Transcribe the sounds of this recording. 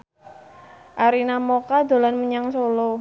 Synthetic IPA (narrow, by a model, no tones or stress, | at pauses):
ʔaɾinamokad̪o̤lanməɲaŋsolo